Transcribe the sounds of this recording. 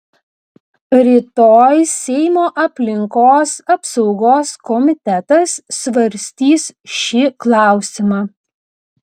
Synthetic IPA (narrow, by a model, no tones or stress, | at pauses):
ɾʲit̪oːjsʲɛɪmoːʔɐpʲlʲɪŋkoːsɐpsɒʊɡoːskɔmʲɪt̪ʲɛt̪ɐsːʋɐɾʲsʲt̪ʲiːsʃʲiklˠɑˑʊsʲɪmɑː